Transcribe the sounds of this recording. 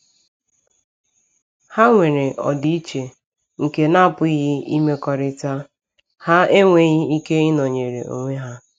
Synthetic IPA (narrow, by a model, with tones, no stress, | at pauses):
ha˦ŋʷe˨ɾe˨ʔɔ̰˨di˦i˦t͡ʃe˨ | ŋ̩˨ke˨na˦˨pʊ˦i˦ɦɪ˦i˦me˦kɔ˨ɾɪ˦ta˦ | ha˦e˦ŋʷe˦ɣɪ˦i˦ke˦ɪ˦no˨ɲe˨ɾḛ˨o̰˨ŋʷe˦ɦa˦